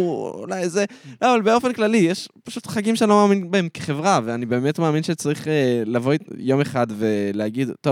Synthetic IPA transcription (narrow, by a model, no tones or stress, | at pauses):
ṵlajzeloavalbeo̞fe̞nklalijeʃpaʃutχaɡimʃenilomaːminbaemke̥χe̞vʁaveanibe̞ːme̞tmaːminʃet͡saʁiχelavo̞jo̞meχadve̞leaɡidto